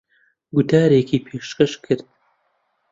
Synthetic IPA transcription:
ɡʊt̪ʰaːɾekʰiːpʰeːʃkɐʃkʰɨɾd̪̥

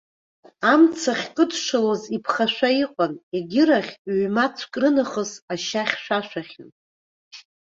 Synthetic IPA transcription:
amt͡sʰaχʲkʼɨdʰʂɨlozipʰχaʃʷaiqʷʼaneɡʲɪɾaχʲɥmat͡sʷʰkʼrɨnaχəzaʃaχʲʃʷᶣaʃʷᶣaχʲan

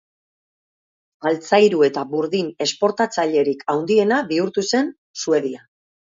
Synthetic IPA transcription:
ɣalt͡sajɾue̞t̪aβuɾðine̞spo̞ɾt̪at͡saʎe̞ɾikʰawnd̪ie̞naβiuɾt̪use̞n | sue̞ðia

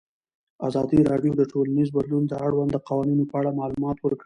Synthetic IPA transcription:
azɑd̪iɾɑɖjod̪əʈolanizbad̪lund̪əaɽwand̪əqɑwɑninopəaɽamɑlumɑt̪wəɾkɽi

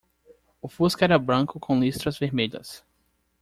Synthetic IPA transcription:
ʊfuskʊɛɾɐbɾɐ̃kʊkʰõlist̪ɾɐzveɾmeʎɐ̰s

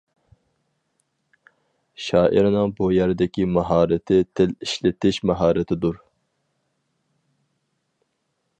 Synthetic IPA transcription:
ʃɑːʔḭɾnɨŋbujæɾd̪ɪkʲimɑɦɑːɾɪt̪ʰɪt̪ʰɪliʃlɪt̪ʰɪʃmɑɦɑːɾɨt̪ʰɪd̪uɾ

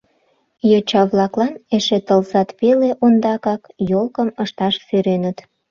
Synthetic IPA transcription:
jot͡ɕɑβlɑklɑneʃet̪əlzɑt̪peleʔond̪ɑkɑkjolkəməʃt̪ɑʃsyɾenət̪

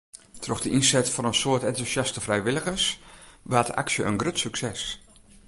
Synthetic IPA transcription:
troxdəʔinsɛtfonənsoətɛntusjastəvrɛjʋɪləɣəsʋaːtʔa̰ksjəʔənɡrøtsyksɛs

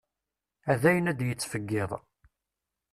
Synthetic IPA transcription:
æðæjənæd̪jət͡sːfəɡːɪðˤ

